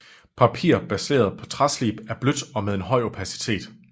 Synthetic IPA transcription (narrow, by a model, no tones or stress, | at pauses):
pʰɑ̈pʰḭːɐ̰b̥æse̝̰ːɐð̞ˠpʰɒ̽t͡sʰʁɑslib̥æɐb̥lød̥ɒ̽með̞ˠe̝nɦɒ̽ɪ̰opʰæsi̥t͡sʰe̝̰ːd̥